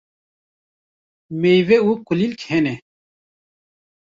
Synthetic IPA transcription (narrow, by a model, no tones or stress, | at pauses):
mejweuqulilkʰene